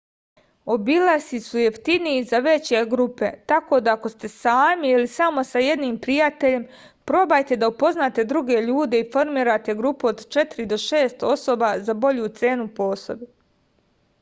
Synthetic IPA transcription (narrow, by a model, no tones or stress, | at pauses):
o̞bilˠasisujeft̪iniizaʋe̞t͡ɕeɡɾupe̞̰t̪ako̞ːd̪aːko̞st̪e̞saːmiilisamo̞saje̞d̪niːmpɾijat̪e̞ʎe̞m | pɾo̞bajt̪e̞d̪aupo̞znaːt̪e̞d̪ɾuɡe̞ʎuːd̪e̞ifo̞ɾmiːɾat̪e̞ɡɾupuod̪t͡ʃe̞t̪iɾid̪o̞ʃe̞ːst̪o̞so̞ːbazabo̞ʎut̪se̞ːnupo̞ːso̞bu